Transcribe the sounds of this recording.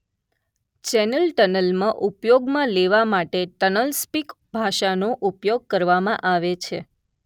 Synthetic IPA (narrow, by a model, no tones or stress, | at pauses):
t͡ʃɛnəlʈənəlmãʔupjoɡmãleʋamaʈeʈənəlspik | bʱaʃanoʔupjoɡ̚kəɾʋamãʔaʋet͡ʃʰḛ